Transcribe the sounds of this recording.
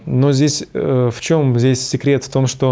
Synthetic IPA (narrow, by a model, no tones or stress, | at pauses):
nozʲdʲesʲft͡ɕo̞mzʲdʲesʲsʲɪkɾʲe̞t̪ft̪o̞mʂt̪o